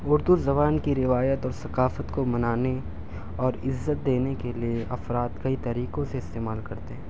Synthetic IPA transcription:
ʊɾd̪uzɐβaːnkiɾɪʋaːjət̪ɔːɾsɐqaːfət̪komɐnaːne | ɔːɾɪzːət̪̚d̪eːnekelieʔɐfɾaːt̪kɐit̪ɐɾiːqõseɪst̪eːmaːlkɐɾt̪eɦɛ̃ː

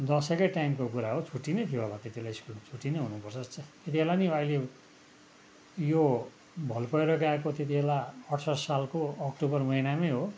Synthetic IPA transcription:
d̪ʌsʌkʌjʈaimkokuɾaɦot͡sʰuʈːinʌjt̪ʰijoɦʌlat̪et̪ibelaiskult͡sʰuʈːinʌɦunupʌrt͡sʰʌst͡sʰʌt̪et̪ibʱelaniʌile | jo | bʱʌlpʌeɾʌkakot̪et̪̬ibʱelaʌʈʰsʌsalkoʌkʈubʌrmʌinamʌjɦo

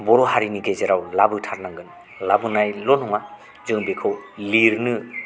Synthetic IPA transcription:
bɔɾɔɦaɾiniɡezeɾawlabɯtʰat̚naŋɡɯn | labɯnajlɔnɔŋa | zɯŋbekʰɯwliɾnɯ

